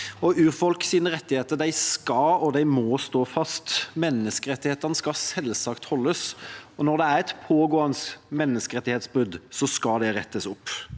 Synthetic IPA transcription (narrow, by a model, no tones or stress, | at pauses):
ɔʉːfɔlksiːnəɾɛt̪ːɪheːt̪əd̪æɪskɑɔd̪æɪmɔst̪oːfɑst̪mɛnːəskəɾɛt̪ːɪheːt̪əɾnəskɑsɛlsɑkt̪hɔlːəsɔnɔɾd̪ɛæɾɛt̪pʰoːɡoːɑnsmɛnːəskəɾɛt̪ːɪheːt̪sbʉd̪sɔskɑd̪ɛɾɛt̪ːəsʊpː